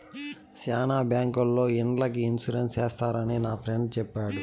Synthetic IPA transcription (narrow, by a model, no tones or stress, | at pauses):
saːnaːbjaːŋkulːo̞ːiɳlɐkiinsuɾenseːst̪aːɾɐninaːpʰɾeɳɖ̚t͡ʃɛpːaːɽu